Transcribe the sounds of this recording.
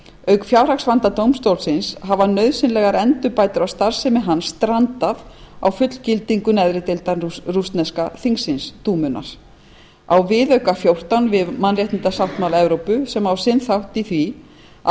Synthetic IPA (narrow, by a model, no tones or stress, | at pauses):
œɥkfjawɾ̥aksvant̪at̪owmst̪owlsɪnsɦavanœɥðsɪnlɛɣaɾɛnt̪ʏpaːjt̪ʏɾawst̪aɾ̥sɛmɪɦanːsːt̪ɾant̪aðawfʏt̪l̥cɪlt̪iŋkʏnɛðɾɪt̪ɪlt̪arust̪nɛskaθiŋsɪnst̪uːmʏna̰ɾ̥ | awvɪðœɥkafjowr̥t̪anvɪðmanrjɛht̪nɪt̪asawht̪mawlaɛvɾowpʏsɛmawsɪnθawht̪iθvi | a